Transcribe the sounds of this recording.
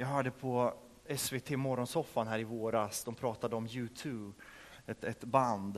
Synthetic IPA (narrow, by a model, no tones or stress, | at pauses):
jɑːɡɦœːɖəpʰɔ | ɛsveːt̪ʰeːmɔɾɔnsɔfːanɦæːɾɪvoːɾasd̪ɔmpʰɾɑːt̪ad̪əɔmjʉ̟ːt̪ʰʉːb | ɛt̪ɛt̪band̪